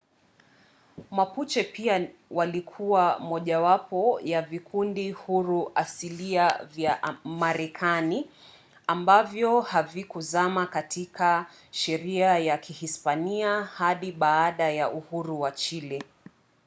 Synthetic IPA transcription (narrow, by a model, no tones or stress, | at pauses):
maput͡ʃɛpiawalikʰuwamɔʄawapɔjavikʰundihuɾuʔasiliavjamaɾɛkʰani | ambavjɔhavikuzamakatʰikʰa | ʃɛɾiajakʰihispaniahaɗiɓaːɗajaʔuhuɾuwat͡ʃilɛ